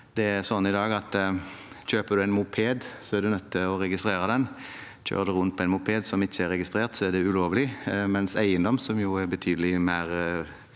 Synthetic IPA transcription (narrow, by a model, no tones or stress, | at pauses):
d̪̥ɛæɾsɔnːəɪd̪ɑːɡɑt̪ | çøːpəɾd̪ʉæɪnmʊpʰeːd̪sɔæɾd̪ʉnœt̪ʰːɪɔɾɛɡɪst̪ɾeːɾəd̪ɛn | c͡çø̰ːd̪ɛɾʊnt̪̚pʰɔɛɪnmʊpʰeːd̪sɔmɪçːəɛɾːɛɡɪst̪ɾeːʁt̪sɔɛd̪ɛʉloːʋəlɪmɛnsæɪənd̪ɔmsɔmjʊæɾbət̪ʰyːd̪əlɪmæɪɾ